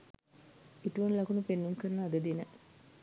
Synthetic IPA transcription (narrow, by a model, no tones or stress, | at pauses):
iʈuʋɐnlɐkunupenːumkəɾnəːd̪əd̪inə